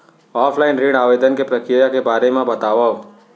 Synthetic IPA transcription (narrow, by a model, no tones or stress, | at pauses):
ɔːpʰlaːɪnɾiɽaːʋeːd̪ənkepɾəkɾɪjakebaːɾemẽbɐt̪aːʋa